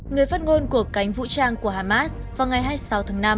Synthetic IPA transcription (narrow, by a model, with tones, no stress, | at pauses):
ŋɨ˨˩əjfaː˦˥t̚ŋo˧nku˨˩əkːa˨˦jŋ̟vṵ˧˥t͡ɕaː˧ŋku˧˩əhaː˧˩maː˦˥vaː˨˩wŋa˨˩jɦaː˧jsa˨˦wt̪ʰaː˨˦ŋna˧m